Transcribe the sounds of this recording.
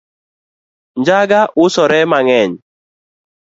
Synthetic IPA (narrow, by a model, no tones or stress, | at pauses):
nd͡ʒaɡaʔʊsɔɾɛmaŋɛɲ